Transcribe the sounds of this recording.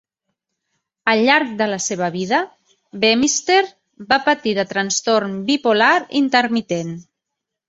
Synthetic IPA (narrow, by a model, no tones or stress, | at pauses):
əlːaɾk̚d̪ələseβ̞əβiðə | bemist̪eɾ | bapət̪iðət̪ɾənst̪oɾmbipolaɾḭnt̪əɾmit̪en